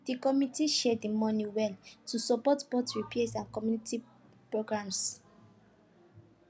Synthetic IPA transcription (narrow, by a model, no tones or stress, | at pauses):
d̥ikɔmitiʃɛdimɔ̃niwɛltusɔpɔtbɔtɹiplesãnkɔmjuniti | pɹoɡɹãms